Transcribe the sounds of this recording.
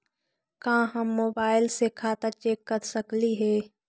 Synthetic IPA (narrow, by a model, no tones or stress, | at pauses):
kãːɦɐmːoːbaːɪlsekʰaːt̪at͡ʃeːkːəɾsɐkliɦɛː